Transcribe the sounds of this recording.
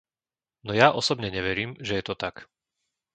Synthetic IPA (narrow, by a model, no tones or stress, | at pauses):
nɔjaʔɔsɔbɲɛɲɛʋɛɾiːmʒɛjɛt̪ɔt̪ak